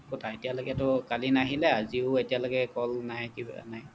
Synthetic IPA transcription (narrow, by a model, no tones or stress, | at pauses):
kɔtʰaetijaloɡɛtʊkalinaɦilɛaziʊetijalɔɡɛkɔlnajkiba̰naj